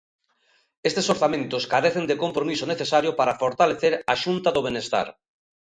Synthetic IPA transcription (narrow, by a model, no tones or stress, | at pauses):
est̪esoɾθamẽnt̪ʊskaɾeθend̪ekompɾomisoneθesaɾjʊpaɾafoɾt̪aleθeɾaʃunt̪aðoβenest̪a̰ɾ